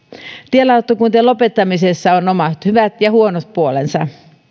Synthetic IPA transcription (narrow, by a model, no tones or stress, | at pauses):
t̪ielɑut̪ːokunt̪ielo̞pet̪ːɑmisesːæono̞mɑt̪hyʋæt̪jɑhuonot̪̚puolensɑ̰